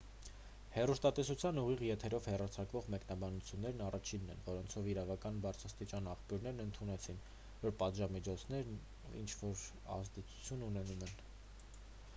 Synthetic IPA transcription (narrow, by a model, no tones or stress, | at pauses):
hɛrust̪ɑt̪ɛsut͡sʰjɑnuʁiʁjɛt̪ʰɛɾɔvhɛrɑt͡sʰɑkvɔʁmɛknɑbɑnut͡sʰjunːɛɾnɑrʔɑt͡ʃʰinːɛ̰nvɔɾɔnt͡sʰɔviɾɑvɑkɑnbɑɾt͡sʰɾɑst̪it͡ʃɑnɑχpjuɾnɛɾnənt̪ʰunɛt͡sʰin | vɔɾpɑt̪ʒɑmit͡ʃʰɔt͡sʰnɛɾn | ḭnt͡ʃʰvɔɾ | ɑ̰zd̪ɛt͡sʰu̥t͡sʰjununɛnumɛn